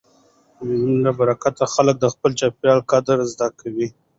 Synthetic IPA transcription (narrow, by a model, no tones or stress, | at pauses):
iunabaɾakat̪axalək̚d̪əxpəlt͡ʃɑpjɑlkad̪əɾzd̪akʰawi